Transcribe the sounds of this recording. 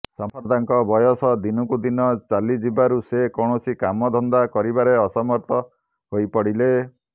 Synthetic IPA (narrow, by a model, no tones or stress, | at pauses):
sɔmpʰɔɾd̪aŋkɔbɔjɔsɔd̪inɔkud̪inɔt͡ʃalid͡ʒibaɾusekɔɳ̃ɔsikamɔd̪ʱɔnd̪akɔɾibaɾeɔsɔmɔɾt̪ʰɔ | hojpɔɽile